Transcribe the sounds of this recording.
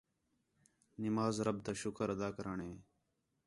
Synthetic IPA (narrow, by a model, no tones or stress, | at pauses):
nɪmaːzɾəb̚t̪aːʃʊkəɾəd̪aːkəɾaːɳɦeː